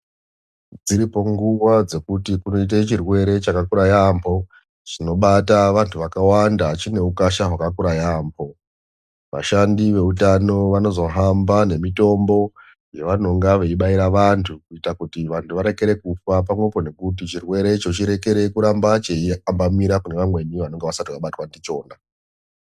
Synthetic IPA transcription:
d͡ziɾipo̞ŋɡuʋad͡ze̞kutikuno̞it̬at͡ʃirwe̞ɾe̞t͡ʃakakuɾajampʰo̞ | t͡ʃino̞ɓataʋantʰuʋakawandat͡ʃine̞ukaʃaɦwakakuɾajaːmpʰo̞ | ʋa̰ʃandiʋe̞utano̞ʋano̞zo̞ɦambane̞mito̞mbo̞ | jeʋano̞ŋɡaʋe̞iɓaiɾaʋantʰukuitakutiʋantʰuʋaɾe̞ke̞ɾe̞kufap̬amwepone̞kutit͡ʃirwe̞ɾe̞t͡ʃo̞t͡ʃiɾe̞ke̞ɾe̞kuɾambat͡ʃeiambamiɾakune̞ʋamwe̞niʋano̞ŋɡeʋasatiwaɓatwandit͡ʃo̞ːna

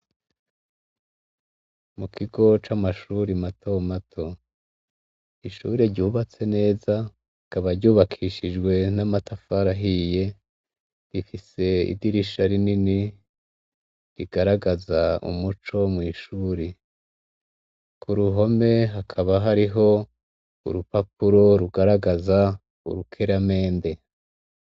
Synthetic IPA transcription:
mukʰiɡo̞t͡ʃamaʃuːɾimatʰo̞matʰo̞ | iʃuːɾeɾɟuːβat͡se̞ne̞ːza | ikaβaɾɟuːβakʰiʃid͡ʒɡwe̞namatafaɾaɦije̞ | ɾifise̞ḭdiɾiʃaɾinini | ɾiɡ̥aɾaɡazaṵmut͡ʃo̞mwiːʃuːɾe | kʰuɾuɦo̞me̞ɦakʰaβaɦaɾiɦo̞ | ṵɾupap̚uɾo̞ɾuɡaɾaɡaza | ṵɾukʰeɾame̞ːnde̞

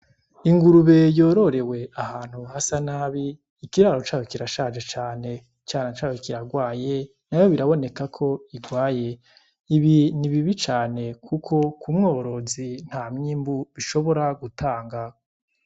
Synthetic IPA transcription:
iŋɡuɾuβe̞jo̞ɾo̞ɾe̞we̞ahaːn̥huhasanaːβiː | kiɾaɾo̞t͡ʃaːjokiɾaʃaːd͡ʒet͡ʃaːne̞ | t͡ʃaːnat͡ʃaːjokiɾaɡwaːje̞ | najo̞βiɾaβo̞ne̞kakʰo̞iɡwaːje̞ | iβiniβiβit͡ʃaːne̞kʰukʰo̞kumŋo̞ːɾo̞zin̥haːmɲiːmbuβiʃo̞βo̞ɾaɡutʰaːŋɡa

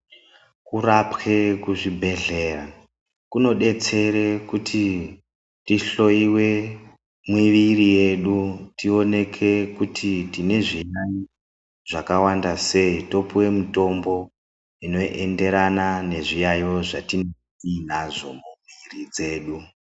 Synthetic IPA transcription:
kurapke̞kuʐibʱe̞ɮe̞ra | kuno̞ɗe̞t͡se̞ɾekutʰi | tiɬo̞iwe̞ | mwiʋirije̞ɗutio̞ne̞kʰe̞kutʰitine̞ʐijai | ʐ̥akawandase̞ito̞puwe̞muto̞mbo̞ | ino̞ʔe̞nde̞ɾanane̞ʐijajo̞ʐa̰tinotinaʐo̞̰mumirid͡ze̞ːɗu

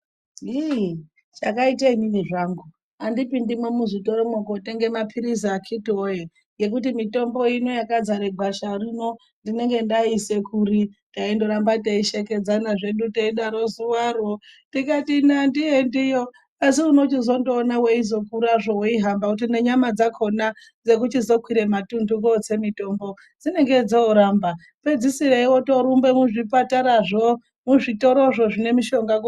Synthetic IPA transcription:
i | t͡ʃakaitaimimiʐaːŋɡu | andipindimwemuʐito̞ɾomokoteŋɡe̞mapʰiɾizakʰitoje | je̞k̬ut̬imito̞mbo̞ino̞jakad͡zaɾeɡʱaʃarino̞ | ndine̞ŋɡe̞ndaise̞kʰuɾintaindo̞ɾambataiʃeke̞d͡zanaʐe̞ɗutaiɗaɾo̞zuwarotikatinandijendijo | asiuno̞t͡ʃizo̞ndo̞ːnaweizo̞kuɾaʐowoiɦambakut̬ine̞ɲamad͡zakʰo̞na | d͡ze̞k̬utizo̞kwiɾe̞matundukot͡se̞mito̞ːmbo̞ | d͡zine̞ŋɡe̞d͡zouɾamba | pe̞d͡zisireiwo̞to̞ɾumbe̞muʐipataɾaʐo | muʐito̞ɾo̞ʐo̞ʐine̞miʃo̞ŋɡak

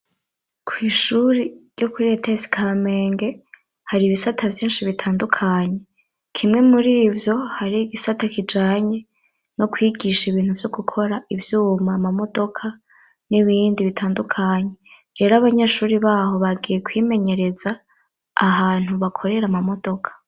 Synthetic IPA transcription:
kʰwiːʃuɾiɾjɟo̞kuɾietesi̥kʰameːŋɡe | haɾiːβisatʰavjiːnʃiβitʰaːndukʰaɲe̞ | kʰimŋe̞muɾiːvjo̞haɾiːɡisatakid͡ʒaːɲe̞ | no̞kwiːɡiʃiβiːn̥huvjo̞ɡukʰo̞ɾaivjuːmaːmamo̞do̞kʰa | niβiːndiβitʰaːndukʰaɲe̞ | ɾe̞ːɾaβaɲeʃuːɾiβaːho̞βaɡije̞kwiːme̞ɲe̞ɾe̞zaː | haːn̥uβakʰo̞ɾe̞ɾamamo̞do̞kʰḁ

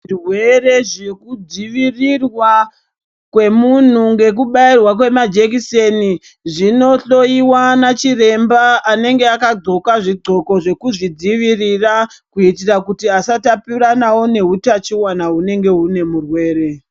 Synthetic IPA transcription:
irwere̞ʐekud͡ziʋirirwa | kwe̞mun̤uŋɡe̞k̬uɓairwak̬we̞mad͡ʒekiseni | ʐino̞ɬo̞iwanat͡ʃire̞mbaːne̞ŋɡe̞akad͡zo̞kaʐiɡ͡ǀo̞ko̞ʐe̞kuʐid͡ziʋirirakuitirakutiasatapiɾanawo̞ne̞ɦutat͡ʃiwanaɦune̞ŋɡe̞une̞murwe̞ːɾe̞

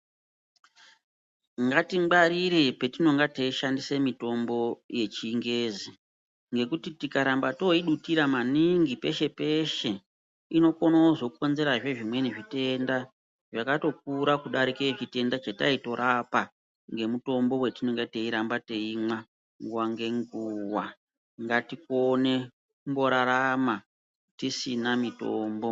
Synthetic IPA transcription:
ŋɡatiɡ͡baɾiɾepe̞tino̞ŋɡateiʃandisemito̞mbo̞je̞t͡ʃiːŋɡe̞ːzi | ŋɡe̞kutitikaɾambato̞iɗutiɾamaniŋɡipe̞ʃe̞pe̞ʃe̞ | ino̞konaoʐo̞kuko̞nze̞ɾaʐe̞ʐimwe̞neʐite̞nda | ʐakato̞k̚uɾakuɗaɾikeʐite̞ndat͡ʃataito̞ɾapa | ŋɡe̞muto̞mbo̞we̞tino̞ŋɡete̞iɾambate̞imwa | ŋɡuwaŋɡe̞ŋɡuwa | ŋɡatikone̞ | kumbo̞ɾaɾama | tisinamitoːmbo̞

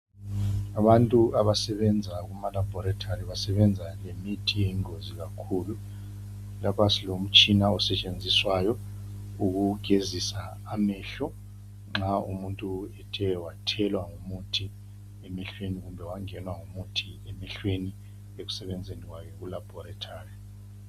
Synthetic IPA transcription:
aɓantʼuaβasɛɓɛnd͡zʱak̬umalabʱɔɾatʰariβasɛɓɛnd͡zʱalemitʰijeŋozik̬akʰulu | lapʰasilom̩t͡ʃʼinaɔsɛt͡ʃʼend͡zʱiswajɔuk̬uɡ̥ʱezisaː | mɛːɬɔ | ŋ͡ǁaumuntʼuɛtʰɛwatʰɛlwaŋumutʰi | ɛmɛɬweniɣumbʱɛwaŋɛnwaŋumutʰi | ɛmɛɬweni | ek̬u̥sɛɓɛnd͡zʱenik̬wakʰɛk̬ulab̥ʱɔɾatʰaːri

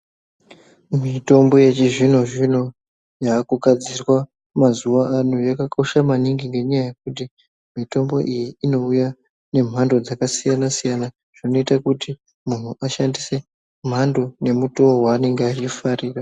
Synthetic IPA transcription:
mito̞mbo̞je̞t͡ʃiʐin̤o̞ʐino̞ | jaːkuɡʱad͡zirwa | mazuʋaːnujakakʰo̞ʃamaniŋɡiŋɡe̞ɲajajek̚ut̬i | mito̞mbo̞ʔijiːno̞uja | ne̞m̤ando̞d͡zakasijanasijana | ʐ̥ino̞itakuti | mun̤uʔaʃandise̞ | m̤ʱando̞ne̞muto̞waːne̞ŋɡeat͡ʃifariːra

